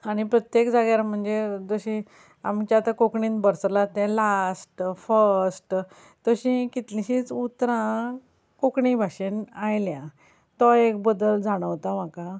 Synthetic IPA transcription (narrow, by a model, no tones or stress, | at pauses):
añipɾət̪jekd͡zaɡjaɾm̤əɳd͡zed͡zəɕĩ | amt͡ɕat̪akokɳĩnbəɾslat̪ɛ̃lasʈfəɾɾsʈ | t̪əɕĩkit̪lĩɕĩt͡sut̪ɾã | kokɳĩbʱaɕenajljã | t̪ɔekbəd̪əld͡zaɽ̃əʋt̪am̤aka